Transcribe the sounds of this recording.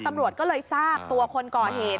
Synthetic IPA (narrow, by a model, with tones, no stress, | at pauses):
t̪a˧mɾu˨˩ət̪̚kɔː˥˩lɤː˧jsaː˥˩p̚t̪u˧ɐkʰo˧nkɔː˨˩ɦeː˨˩t̪̚